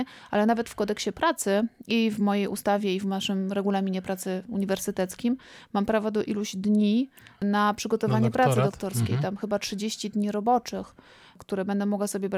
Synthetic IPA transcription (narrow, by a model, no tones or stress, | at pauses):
ʔalɛnavɛt̪fkɔd̪ɛkɕɛpɾat̪sɘivmɔjejust̪avʲjɛivnaʂɘmɾɛɡulamʲiɲɛpɾat̪sɘuɲivɛɾsɘt̪ɛt̪skʲimːampɾavɔd̪ɔʔiluʑd̪ɲi | napʂɘɡɔt̪ɔvaɲɛpɾat̪sɨd̪ɔkt̪ɔɾskʲḛjt̪amxɘbatʂɘd͡ʑeɕt͡ɕid̪ɲiɾɔbɔt͡ʂɘx | kt̪uɾɛbɛnd̪ɛmɔɡwasɔbʲjɛbɾ